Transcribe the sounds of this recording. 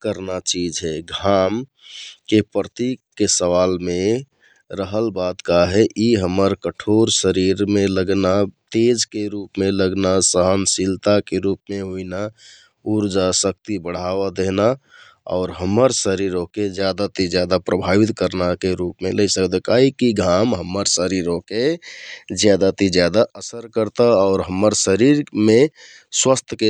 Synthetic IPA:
kəɾnat͡ʃid͡ʒɦɛɡʱam | kepɾət̪ikːesəʋalmẽ | ɾəɦəlbad̪kaɦɛʔiɦəməɾkəʈʰoɾsəɾiɾmeləɡnat̪ed͡ʒkeɾupmeləɡnasəɦənsilt̪akeɾupmeɦoina | uɾd͡ʒasək̚t̪ibəɽ̤aʋad̪eɦna | ɔ̰ːɾɦəməɾsəɾiɾoked͡ʒjad̪at̪id͡ʒjad̪apɾəbʱaʋit̪kəɾnakeɾupmeləisəkd̪ekaːɦikiɡʱamɦəmːəɾsəɾiɾõke | d͡ʒjad̪at̪id͡ʒjad̪aʔəsəɾkəɾt̪aɔːɾɦəməɾsəɾiɾmẽ | swəst̪ʰke

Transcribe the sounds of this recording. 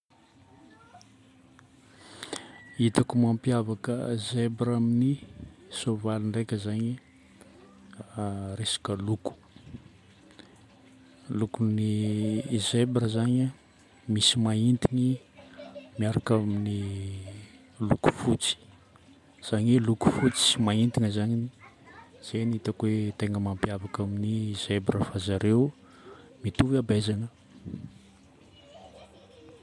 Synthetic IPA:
it̪akumampiavakə̰zebɾaminisovaliɳɖ͡ʐekʲəzaɲi | resḁkəluku̥ | lukuni | zebɾəzaɲa | misimaint̪ini | miaɾakamini | luku̥fut͡si̥ | z̥aɲeluku̥fut͡si̥imaint̪iŋəzaɲini | z̥enit̪akwet̪eŋɡəmampiavakaminizebɾəfazaɾeu | mit̪uviabezanə

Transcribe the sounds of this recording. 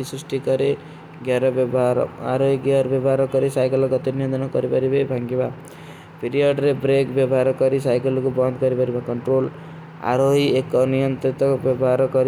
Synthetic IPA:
isrisʈikʌɾe | ɡjaɾʌbbaɾ̰aɾoiɡaʌɾbjʌbaɾʌkʌɾisajkʌlkʌt̪inijʌnt̪ʌnakʌɾibʌɾibʌibʱãŋɡeba | pʰiɾijʌɖɾebɾekbjʌbaɾʌkʌɾisajkʌlkobʌnd̪kʌɾibʌɾibakʌɳʈrol | a̰ɾoɦiekʌnijʌnt̪it̪ʌbjʌbaɾʌkʌɾi

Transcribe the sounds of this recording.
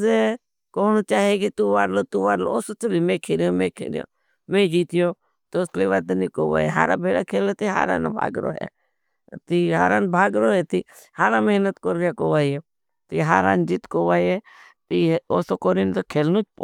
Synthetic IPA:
e | koːnoːt͡ʃaːɦekit̪uːʋaːɾloːt̪uːʋaːɾlo̰oːsot̪ʰoliːmẽːkʰeːljõːmẽːkʰḛːlɪjõ̰ː | mẽːd͡ʒiːt̪ɪjoː | t̪oʊsliʋad̪niːkoːʋa̰ːeɦa̰ːɾã̰ːbʱeːɽaːkʰeːlot̪iɦa̰ːɾa̰ːnbʱa̰ːɡɾo̰ːɦḛː | t̪iɦa̰ːɾaːnbʱaːɡɾoːɦeːt̪iː | haːɾãːmeɦnət̪koɾːjakoːʋaːieː | t̪iɦaːɾã̰ːnd͡ʒit̪koːʋaːjeː | t̪ioːsoːkoːɾint̪okʰeːlnoːt͡ʃp

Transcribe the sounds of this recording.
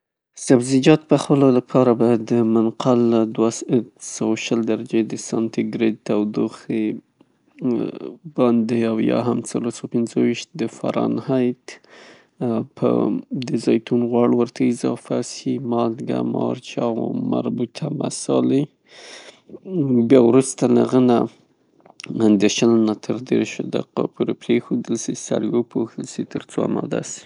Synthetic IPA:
sabzid͡ʒɑt̪̚pəxpəlolapʰɑɾabad̪əmanqalad̪wasawaʃəld̪aɾad͡ʒed̪əsɑnt̪iɡɾed̪̚t̪awd̪uxe | bɑnd̪eawjɑ̰ɦamt͡saloɾsawpɪnzəwiʃt̪̚d̪əfa̰ɾɑ̰nhajt̪ | pʰə̰d̪əzɑjt̪unɣwɑɽwəɾt̪ʰaɪzɑfasimɑlɡa̰mɑɾt͡ʃɑwmaɾbut̪ʰamasɑli | bjɑwɾust̪alaɣəna | and̪eʃəlnat̪ʰəɾd̪eɾʃd̪a̰qapʰuɾepɾexod̪əlsisa̰ɾwəpʰoxt̪əlsit̪əɾt͡soamad̪asi̥

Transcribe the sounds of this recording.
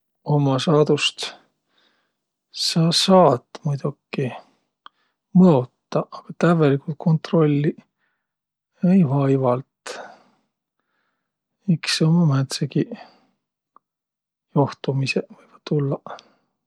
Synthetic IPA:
o̞mɑsɑːd̪̥ust̪ | sɑːsɑːt̪ːmujd̪ukːi | mɤot̪ːɑʔɑɡ̥ɑt̪ævelikult̪̚kʰo̞nt̪ro̞lʲːi | ejvɑjvɑlt̪ | iksomɑmæt̪seki | joht̪umisevɤjvɑ̥t̪ːulːɑ

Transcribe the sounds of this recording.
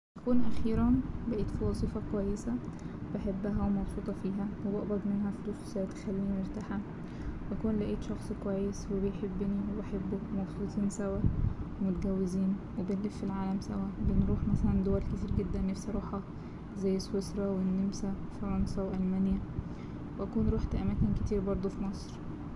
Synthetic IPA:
ʔækuːnʔæxiːɾæbæʔiːt̪fiwɑzˤiːfɑkwæjːesæ | beħebːæɦæwemɑbsˤuːt̪ˤɑfiːɦæwebɑʔbɑd̪ˤmenɦæfeluːswesæt̪xælːiːnmeɾt̪aːħæ | bækuːnlæʔiːt̪ʃɑxsˤkwæjːeswebejħebːɪniwebeħebːumɑbsˤuːt̪ˤiːnsæwæmot̪æɡæwːeziːnwebenlefːilʕaːlæmsæwæbenɾuːħmæsælænd̪owælket̪iːɾɡed̪ːænːefsɑɾˤɑːħɑ | zæjːeswesɾˤɑwenːemsæefɑɾˤɑnsæweʔælmæːnjæ | weʔækuːnɾuːħt̪ʔæmæːkenket̪iːɾbɑɾˤd̪ˤofimɑsˤɾ

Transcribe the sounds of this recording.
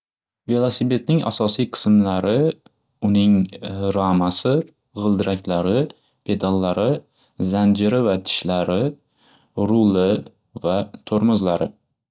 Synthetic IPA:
ve̞lˠasibe̞t̪̚nɪŋa̰sɒsijqʰɨ̥smlaɾɪ | ʊnɪŋɾamasɪ | ʁɨlˠd̪ɪɾʔakʲlaɾɪ | pʰe̞d̪alːaɾɪ | zand͡ʒɪɾɪvat̪ʰɪ̥ʃlaɾɪ | ɾʊlɪ | vat̪ʰoɾmʊzlaɾɪ̰

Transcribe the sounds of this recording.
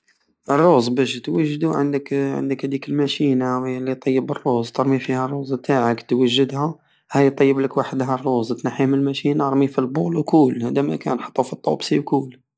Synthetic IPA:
ʔərˤːozˤbæʃt̪wəʒːd̪uʕə̰nd̪əkʕə̰nd̪əkhæd̪ikəlmæʃinawlːit̪ˤɑjːəbərːozt̪ɑɾˤmifihærˤːozˤbt̪aʕəkt̪wəʒːəd̪hæ | hæjt̪ˤːɑjːəbləkwaħd̪ɦærˤːozˤt̪naħimənəlmæʃinaɾˤmifilbulwkulhæd̪æmæ̰kænħɑ̥t̪ˤːufit̪ˤːɑbsiwkul

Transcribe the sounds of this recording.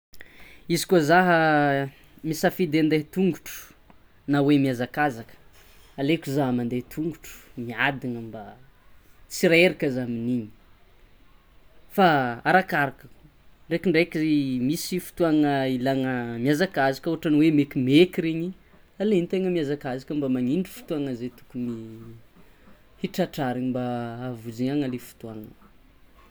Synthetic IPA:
izi̥kozaɦə | misafid̪eand̪eɦt̪uŋɡuʈ͡ʂu̥ | nawemiazakazakə̥ | alekuzaɦmand̪et̪ʰuŋɡuʈ͡ʂu̥miad̪iŋəmba | t͡siɾaeɾikʲazaminiɲi̥ | faaɾakaɾakə̥k | ɳɖ͡ʐekiɳɖ͡ʐekizemisifu̥t̪uaŋəilaŋəmiazakazikəoaʈ͡ʂanwemekimekiɾeɲi | aleint̪eŋəmiazakazikʲəmbamaɲiɳɖ͡ʐi̥fu̥t̪uaŋəzet̪u̥kuni | hiʈ͡ʂaʈ͡ʂaɾiɲimbaːvud͡ʒiɲaŋalefu̥t̪uaŋə

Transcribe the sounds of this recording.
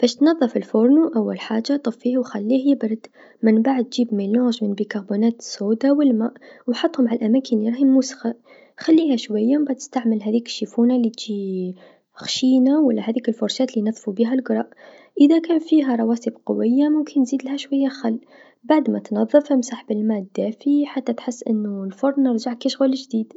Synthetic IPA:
b̥æːʃt̪nɑðˤːɑfɪlfoɾˤnuʔawːalħaːʒːat̪ˤɨfːiːhwxælːihjbɑɾˤd̪ | mɪnbaʕd̪̚t̪ʒiːbmeloʒmɪnbikɑɾbunæːt̪sod̪awɪlmaːʔwħɑt̪ˤːhʊmʕalʔamæːkʰənljɾˤɑhimusxa | xælːiːhæʃwajːambaʕt̪ə̥st̪aʕməlɦæðiːkɪ̥ʃːifuːnalit̪ʒi | xʃiːnawalːæhæðiːkɪlfʊɾˤʃæːt̪linɑðˤfubiɦælɡɾˤɑːʔ | ʔəðakæːnfiːɦæɾˤɑwɑːsibqʊ̰wɪjːamʊmkʰɪnːziːd̪lhæʃwajːaxalː | baʕd̪mæt̪nɑðˤːɨfhamsˤɑːħbɪlmæːd̪̥ːæːfiħat̪ːæt̪ħɪsːʔɪnːulfʊɾˤnəɾˤʒaʕkiʃɣulɪʒd̪iːd̪

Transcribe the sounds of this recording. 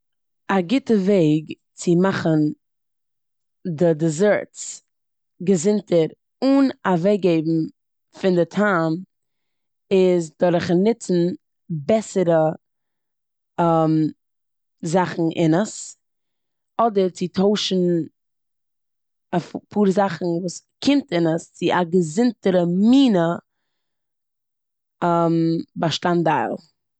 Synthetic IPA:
aɡɪtəveɪɡ | t͡sɪmaχən | dɪdɪzɛɹt͡s | ɡəzɪntʰəɾ | ʊnavɛɡeɪbm̩ | fɪndɪtʰaːm | ɪzdɔɾəχnɪt͡sn̩ | bɛsəɾə | ɛm | zaχn̩ʔɪ̰nəs | ɔdəɾt͡sɪtʰoʊʃn̩ | afpʰuːɾəzaχn̩vuːs | kʰɪmtɪnəst͡sɪʔaɡəzɪntəɾəmiːnə | ɛmbaʃtandaɪlˠ

